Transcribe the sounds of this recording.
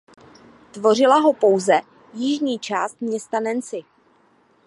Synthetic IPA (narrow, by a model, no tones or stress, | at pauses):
t̪vo̞r̝ɪlaɦo̞po̞wzɛ | jɪʒɲiːt͡ʃaːst̪̚mɲɛst̪anɛnt͡sɪ